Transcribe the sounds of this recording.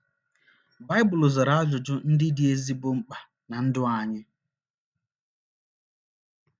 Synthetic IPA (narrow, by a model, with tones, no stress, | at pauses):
ba˦ɪ˦bʊ˨lʊ˨za˨ɾa˨˦a˦d͡ʒʊ˨d͡ʒʊ˦n̩˦dɪ˦dɪ˦e˦zi˦bʊ˦ŋ͡m̩˦k͡pa˨ | na˨n̩˦dʊ˦a˨ɲɪ˦